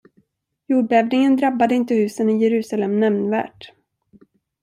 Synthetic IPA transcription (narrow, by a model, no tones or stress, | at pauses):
juːɖɛːvnɪŋənd̪ɾabːad̪əɪnt̪əhʉ̟ːsənɪjɛɾʉ̟ːsalɛmnɛmnvæ̰ːʈ